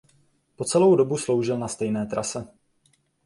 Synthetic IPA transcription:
po̞t͡sɛlo̞wdo̞buslo̞wʒɪlnast̪ɛjnɛːt̪ɾa̰sɛ

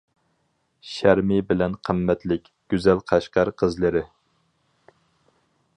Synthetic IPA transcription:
ʃæɾmɪbɪlɛnqʰəmːɛt̪lɪkʲɡ̥ʲyzɛlqʰɑʃqɑɾqʰəzlɨɾɪ

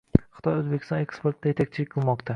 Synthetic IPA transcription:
χɨ̥t̪ʰɒjozbekʲɪ̥st̪ɒnekspeɾt̪ʰɪd̪ajet̪ak̚ʲt͡ʃʰɪlɪkʲqʰɨlˠmɒqt̪ʰa

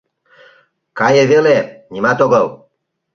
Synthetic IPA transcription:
kajevelenʲimat̪oɡəl

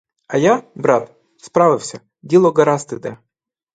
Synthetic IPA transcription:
ɐjabɾɑt̪ | spɾɑʋɪwsʲɐ | dʲilˠɔɡɐɾɑst̪ɪd̪ɛ

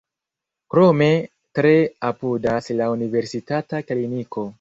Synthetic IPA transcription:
kɾo̞me̞ | tɾe̞apudaslaunive̞ɾsitatakliniko̞

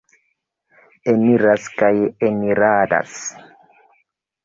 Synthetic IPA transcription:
emiɾaskajemiɾaːda̰s

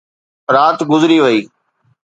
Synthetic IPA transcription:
ɾaːt̪ɡʊzɾiːʋəiː

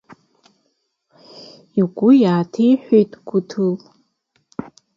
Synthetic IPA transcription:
iɡʷʊjaːtʰejħʷᶣejtʼɡʷʊtʰɨl

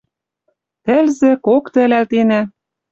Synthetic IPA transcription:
t̪ɘ̆lzɘ̆kokt̪ɘ̆lælt̪enæ

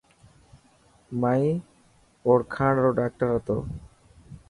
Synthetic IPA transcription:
maj | oɾkʰãɽɾoɖak̚ʈaɾat̪o̰

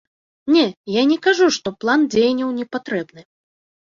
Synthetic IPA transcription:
nʲɛjanʲɛkaʐuʂt̪ɔplˠand͡zʲejnʲɐwnʲɛpat̪ɾɛbnɨ

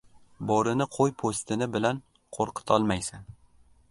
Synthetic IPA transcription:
bɒɾɪnɪqʰojpʰost̪ɪnɪbɪlan | qʰoɾqʰɨ̥t̪ʰɒlˠmajsan

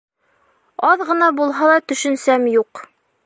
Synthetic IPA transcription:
ɑðʁɤ̆nɑbulˠɦɑlˠɑt̪ɵ̆ʃɵ̆nsæmjuq

